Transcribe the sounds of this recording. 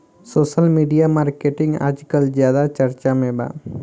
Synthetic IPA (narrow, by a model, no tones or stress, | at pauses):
soːsəlmiɖijamaɾkeʈɪŋɡa̰d͡ʒkəld͡ʒjaːd̪at͡ʃəɾt͡ʃamẽba̰